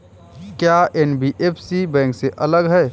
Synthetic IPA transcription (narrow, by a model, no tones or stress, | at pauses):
kjaenbiʔeːpʰsibɛ̃ːŋkseʔɐləɡɦɛː